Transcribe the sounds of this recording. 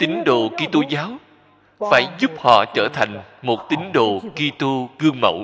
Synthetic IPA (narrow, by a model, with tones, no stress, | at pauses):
t̪ï˨˦ŋ̟ɗo̰˧˨ki˧t̪u˧zaː˨˦w | faː˧˩jzʊ˦˥p̚hɔ̰˧˨t͡ɕəː˧˩t̪ʰa˨˩jŋ̟mo˨˩t̚t̪ï˨˦ŋ̟ɗo̰˧˨ki˧t̪u˧ɣɨ˧əŋmə̰˧˩w